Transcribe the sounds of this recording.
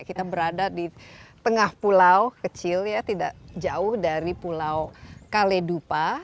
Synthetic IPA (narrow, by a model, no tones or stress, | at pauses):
kit̪abəɾadadit̪əŋahpulawkət͡ʃɪljat̪ida̰ʔd͡ʒaʊhdaɾipulawkaledupa